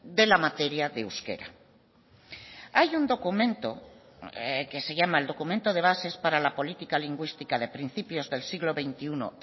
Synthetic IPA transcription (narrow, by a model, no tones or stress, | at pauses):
d̪e̞lamat̪eɾjaðeuske̞̰ɾa̰ | ajund̪o̞kumẽ̞nt̪o̰ | ke̞se̞ʝamaeld̪o̞kument̪oðe̞β̞ase̞spaɾalapo̞lit̪ikaliŋɡwist̪ikaðe̞pɾin̟θipjo̞zðe̞lsiɣlo̞βejnt̪iuno̰